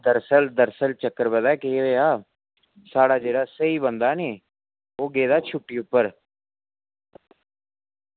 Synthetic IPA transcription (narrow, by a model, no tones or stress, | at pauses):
d̪əɾsəld̪əɾsəlt͡ʃəkːəɾbəd̪aːkeeːaː | saːɽaːd͡ʒeːɽaːsəiːbənd̪aːneː | oːɡeːd̪aːt͡ʃʰʊʈːiːʊpːəɾ